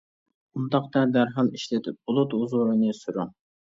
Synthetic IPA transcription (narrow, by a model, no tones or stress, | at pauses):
und̪ɑqt̪ɑd̪æɾɦɑlˠiʃlɪt̪ʰɪp̚b̥ʊlˠut̪uzʊɾɨnɨsyɾʊŋ